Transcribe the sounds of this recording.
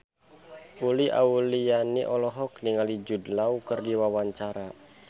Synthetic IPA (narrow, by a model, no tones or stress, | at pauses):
uliʔa̰ulijaniʔɔlɔɦɔkniŋalid͡ʒudlaukɨrdiwawaɲt͡ʃaɾa